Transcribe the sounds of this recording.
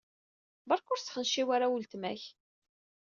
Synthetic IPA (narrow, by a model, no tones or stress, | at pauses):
bɑɾˤkʊɾsχənʃiwaɾawult̪mæ̰ç